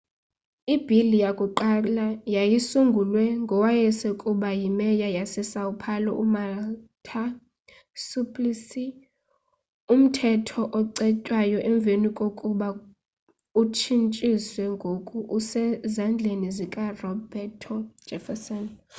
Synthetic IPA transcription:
ib̥ʱilijakʼuǃalajajisuŋɡʱulwɛŋɡʱɔwajɛsɛkʼuɓajimɛjajasɛsaupʰalɔ̰ʔumatʰa | supʰʼlisi | um̩tʰɛtʰɔʔɔǀɛcʼwajɔʔɛɱb̪vʱenikʼokʼuɓa | ut͡ʃʰint͡ʃʼiswɛŋɡʱokʼuʔusɛzand͡ɮʱenizikʼarɔbɛtʰɔ̥d͡ʒ̥ʱɛfɛsɔn

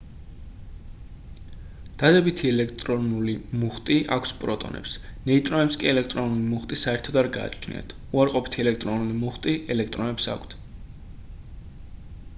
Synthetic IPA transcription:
d̪̥ad̪ɛbit̪ʰiɛlɛkʰt̪ʼɾɔnulimuχt̪ʼiʔa̰kʷʰspʼɾɔt̪ʼɔ̰nʔɛ̰psnɛit̪ʼɾɔnɛpskʼiɛlɛkʰt̪ʼɾɔnulimuχt̪ʼisaɛɾt̪ʰɔd̪aɾɡa̰ːt͡ʃʰnḭa̰t̪ʰ | uaɾqʼɔpʰi̥t̪ʰiɛlɛkʰt̪ʼɾɔnulimuχt̪ʼiɛlɛkʰt̪ʼɾɔnɛpsa̰kʷʰt̪ʰ

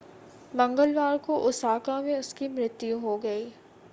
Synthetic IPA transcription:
mɐ̃ŋɡəlʋaːɾkoʔʊsaːkãmẽʊskimɾɪt̪juɦoɡɐiː

